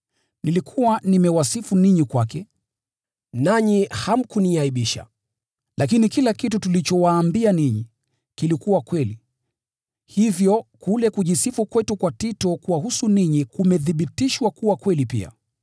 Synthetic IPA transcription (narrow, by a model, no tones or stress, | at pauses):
nilikʰuwanimɛwasifuniɲikwakɛ | naɲiham̩kuniaiɓiʃa̰ | lakinikilakitutulit͡ʃɔwaːmbianiɲi | kilikuwakwɛli | hivjɔkulɛkuʄisifukwɛtukwatitɔkwahusuniɲikumɛθiɓitiʃwakuwakwɛlipḭa̰